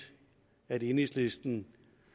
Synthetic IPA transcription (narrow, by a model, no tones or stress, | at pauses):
æɾ̥enislesd̥n̩